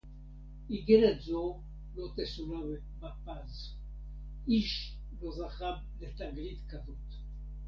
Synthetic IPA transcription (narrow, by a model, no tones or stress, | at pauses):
iɡelet̪zo | lot̪esunab | bapaz | iʃ | lozaχab | let̪aɡlit̪kavot̪